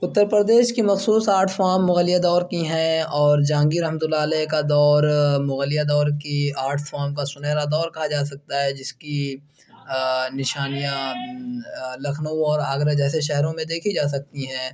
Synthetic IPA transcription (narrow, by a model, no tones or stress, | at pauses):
ʊt̪ːəɾpɾəd̪eːʃkimɐxsuːsaːɾʈʰfaːɾmːʊɣəlːijad̪ɔːɾkiɦɛ̃ɔːɾd͡ʒãːŋɡiɾɐɦmət̪ʊlːaːlɛːkad̪ɔːɾmʊɣəlijad̪ɔːɾkiaːɾʈʰfaːɾmkasʊnɛːɾad̪ɔːɾkɐɦad͡ʒaːsɐk̚t̪aɦɛd͡ʒɪski | nɪʃaːnijã | lɐkʰnõɔːɾaːɡɾəd͡ʒɛːseʃɛɦɾõmẽd̪eːkʰid͡ʒaːs̬ɐk̚t̪iɦɛ̃ː